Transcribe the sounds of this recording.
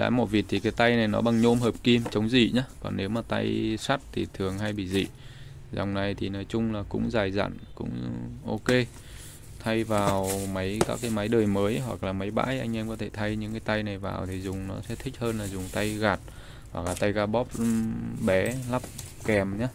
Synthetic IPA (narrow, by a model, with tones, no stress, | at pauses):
la̰ː˧˥mo˨˧˩vi˨˩ət̚t̪ʰi˨˩kaː˨˦jt̪a˧jna˨˩jnɔ̰˨˦ɓa˧˩ŋɲo˧mɦəː˨˩p̚ki˧mt͡ɕə˨˦wŋ͡mzḭ˧˨ɲaː˨˦kɔ̰˨˩nːe˨˦wmaː˨˩t̪a˧jsaː˦˥t̚t̪ʰi˨˩t̪ʰɨ˨˩əŋɦa˧jɓḭ˧˨zḭ˧˨ | zɔ̰˨˩wŋ͡mna˨˩jt̪ʰi˨˩nəː˨˦jt͡ɕʊ˧ŋ͡mlaː˨˩kʊ̰˧˥ŋ͡mzaː˨˩jza̰ː˧˨nkʊ̰˧˥ŋ͡mʔo˧ke˧ | t̪ʰa˧jvaː˨˩wmə˨˦jkaː˦˥k̚ːaː˨˦jma˨˦jɗəː˨˩jməː˨˦jɦwa̰˨˩k̚laː˨˩ma˨˦jɓa̰ː˧˥jʔa˧jŋ̟ʔɛ˧mkɔ˨˦t̪ʰe˧˩t̪ʰa˧jɲɨ̰˧˥ŋkaː˨˦jt̪a˧jna˨˩jva̰ː˨˩wt̪ʰi˨˩zʊ˨˩ŋ͡mnɔ˨˦sɛ̰˧˥t̪ʰï˦˥k̚həː˧nlaː˨˩zʊ˨˩ŋ͡mt̪a˧jɣaː˨˩t̚ | hwa̰˨˩k̚laː˨˩t̪a˧jɣaː˧ɓɔ˦˥p̚ɓɛ˨˦la˦˥p̚ | kɛ˨˩mɲaː˨˦